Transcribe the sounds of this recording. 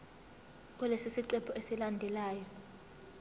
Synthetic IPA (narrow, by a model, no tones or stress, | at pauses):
k̬ʼɔlesisiǃɛpʰɔesilandʱɛlaːjɔ